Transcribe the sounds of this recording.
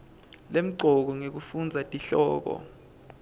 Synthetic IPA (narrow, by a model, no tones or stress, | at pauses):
lem̩ǀʱɔk̬ɔŋek̬ufund͡zʱatʼiɬɔːk̬ɔ̰